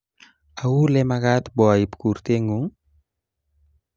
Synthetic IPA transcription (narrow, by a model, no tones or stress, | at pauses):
awulɛmakat̪bɔaipkuɾt̪eŋɡuŋ